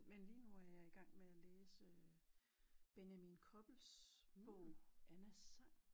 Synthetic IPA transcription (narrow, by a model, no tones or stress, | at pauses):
menliːnuæɐjɑ̈iɡ̥ɑ̈ŋ̰meæleːsə | b̥e̝njæminkʰɒ̽b̥l̩sb̥ɔʊ̰ænæsɑ̈ŋ̰